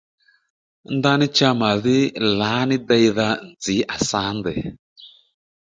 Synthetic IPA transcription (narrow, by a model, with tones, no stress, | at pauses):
n˦da˧˦nɪ˦t͡ʃa˦˧ma˨ðɪ˦laː˨˦nɪ˦dɛ˧jða˧n̩˨d͡zi˨˦ʔa˨sa˦ndɛ˨